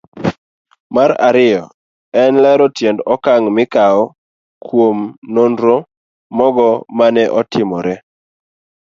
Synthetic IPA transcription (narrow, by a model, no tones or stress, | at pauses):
maɾaɾɪjɔ | ɛnlɛɾɔtjendɔkaŋmɪkaɔ | kwomnondɾo | mɔɡɔmanɛʔɔtɪmɔɾɛ